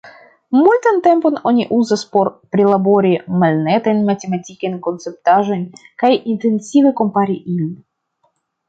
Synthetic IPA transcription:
mult̪ant̪e̞mpo̞no̞nʲiʔuzaspo̞ɾpɾʲilabo̞ɾʲimalʲnet̪ajnmatʲematʲikajnʲko̞nt̪t͡sɛp̚t̪aʒo̞nʲkajint̪ensʲiveko̞mpaɾʲiʔilʲin

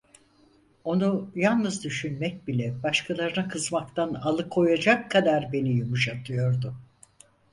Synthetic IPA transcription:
o̞nujalˠnɯzd̪yʃynmɛc̚bilʲɛbaʃkʰalˠaɾɯnakʰɯzmakt̪ʰanalˠɯkʰo̞jad͡ʒakʰːad̪aɾbe̞nijumuʃat̪ʰɯjo̞ɾd̪ʊ

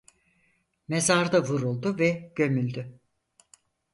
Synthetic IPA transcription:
mezaɾd̪avuɾulˠd̪uvɛɟ̥ø̞mylʲd̪y

